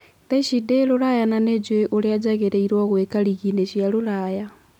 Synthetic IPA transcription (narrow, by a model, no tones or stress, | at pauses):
t̪eʃidelulajananed͡ʒweʔuliad͡ʒaɣeɾeiɾwoɣwekaliɣineʃijalulaja